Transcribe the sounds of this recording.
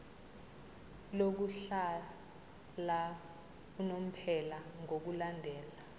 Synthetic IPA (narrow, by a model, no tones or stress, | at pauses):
lok̬uɬa | la | unom̩pʰɛlaŋok̬ulandʱɛːla